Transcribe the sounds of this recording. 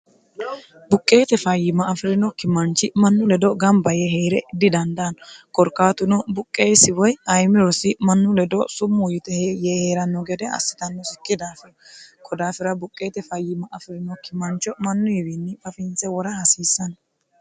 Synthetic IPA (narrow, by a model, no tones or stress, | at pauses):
bʊkʼːe̞ːt̪ɛfɐjɪmɐːfɪɾɪnɔkɪmɐnt͡ʃːɪmɐnːʊlɛd̪ɔɡɐmbɐjɛɦeːɾɛd̪ɪd̪ɐnd̪ɐnɔkɔɾkːaːt̪ʊnɔbʊkʼːe̞ːsɪwɔjɐjmɪɾɔsɪmɐnːʊlɛd̪ɔsʊmːʊjɪt̪ɛhejɛheːɾɐnːɔɡɛd̪ɛɐ̰sːɪ̥t̪ɐnːɔsɪkːɪd̪aːfɪɾ | kʰɔd̪aːfɪɾɐbʊkʼːe̞ːt̪ɛfɐjːɪmɐʔɐfɪɾɪnɔkɪmɐnt͡ʃːɔmɐnːʊjɪbɪnːɪfɐfɪnt͡sɛwɔɾɐhɐsiːsːɐnɔ